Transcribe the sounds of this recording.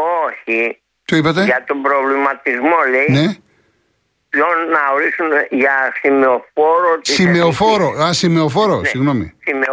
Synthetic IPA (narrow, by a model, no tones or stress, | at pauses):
oçi | t̪oipɐt̪e̞ʝɐt̪o̞mbɾo̞vlimɐt̪izmo̞leine̞ | plonːɐoɾisumeʝɐsimeofoɾot̪siimeofoɾoɐsimeofo̞ɾossiɣno̞mḭsime